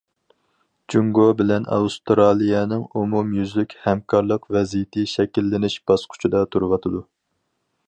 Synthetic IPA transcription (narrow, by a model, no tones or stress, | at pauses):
d͡ʒuŋɡobɪlɛnɑ̰ust̪ɾɑlˠijɛnɨŋumumjyzlykʲhɛmkʰɑɾlˠəqvɛzijɪt̪ʰɪʃɛkʲilːɪnɪʃb̥ɑsqʰʊ̥t͡ʃʰid̪ɑt̪ʰuɾwɑt̪ʰɨd̪u